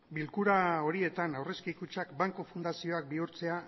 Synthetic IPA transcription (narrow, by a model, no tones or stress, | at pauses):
bilkuɾao̞ɾie̞t̪anawre̞skikut͡ʃakbaŋkofund̪asio̞ak̚biuɾt͡se̞a